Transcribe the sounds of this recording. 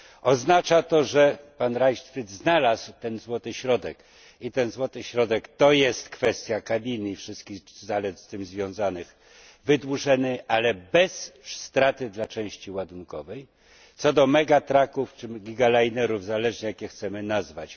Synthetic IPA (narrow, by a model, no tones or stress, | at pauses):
ɔznat͡ʂat̪ɔʐɛpanɾajʂt̪fɾɘt̪znalaswt̪ɛnzwɔt̪ɘɕɾɔd̪ɛk | it̪ɛnzwɔt̪ɘɕɾɔd̪ɛkt̪ɔjɛst̪kfɛst̪ʲjakabʲinɘifʂɘst̪kʲiɣzalɛt̪st̪ɘmzvʲjɔ̃w̃zanɘx | vɘd̪wuʐɛnɘʔalɛbɛsst̪ɾat̪ɘd̪lat͡ʂɛ̃w̃ɕt͡ɕiwad̪uŋkɔvɛj | t̪sɔd̪ɔmɛɡat̪ɾakuft͡ʂɘɡʲiɡalajnɛɾuvzalɛʐɲɛjakʲjɛxt̪sɛmɘnazvat͡ɕ